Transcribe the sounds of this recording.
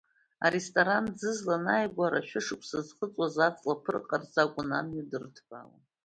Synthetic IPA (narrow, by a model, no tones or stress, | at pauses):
a̰ɾestʼoɾand͡zɨzlanajɡʷaɾaʃᶣʊʂɨkʷʰʼsazχət͡sʼwazat͡sʼlapʰɨrqʼarzakʷʼʊnamːidɨrtʰb̥a̰la̰